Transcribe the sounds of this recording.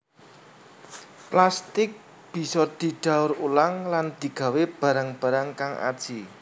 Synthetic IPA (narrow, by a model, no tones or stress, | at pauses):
plast̪ɪk̚ | b̥i̤sɔd̪̥i̤ɖ̥a̤ʊɾulaŋland̪̥i̤ɡ̥a̤web̥ä̤ɾaŋb̥ä̤ɾaŋkaŋʔa̰d̥ʒ̥i